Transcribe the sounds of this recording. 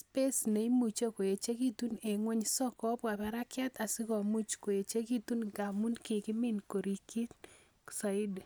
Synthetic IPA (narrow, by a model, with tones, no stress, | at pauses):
spe˦sne˨i˦mu˨t͡ʃo˦ko˨je˨t͡ʃe˦ki˦t̪u˦ne˨ŋwe˦ɲsɔ˦kɔ˦pa˨pɛ˨ɾa˦kja˦t̪a˨sɪ˦kɔ˨mu˦t͡ʃko˨je˨t͡ʃe˦ki˦t̪u˦nɡa˨mu˦nkɪ˨kɪ˦mɪ˦nko˨ɾi˨ki˦n | sa˨ɪ˦d